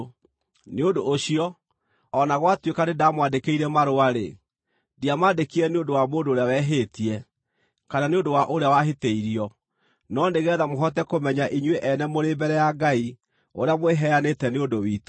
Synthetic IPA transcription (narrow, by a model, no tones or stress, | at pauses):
neondoːɕiɔ | ɔnaɣwatwekanedamwandekeiɾɛmaɾoaɾḛ | diamaːndekiɾɛneondowamoːndoːɾeawɛɦeːtiɛ | kananeondowaʔoɾeawaɦeteiɾiɔ | nɔndeɣɛðamoɦɔt̬ɛkomɛɲaʔiɲweʔɛnɛmoɾeːmbɛɾɛjaɡai | oɾeamweɦɛanetɛneondowit